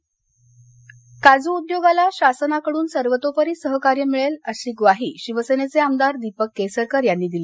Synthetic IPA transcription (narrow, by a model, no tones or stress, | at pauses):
kad͡zuud̪joɡalaɕasənakəɽuːnsəɾʋət̪opəɾiːsəɦəkaɾjəmiɭeləɕiːɡʋaɦiːɕiʋəsenet͡seamd̪aɾd̪ipəkːesəɾkəɾjanːiːd̪ile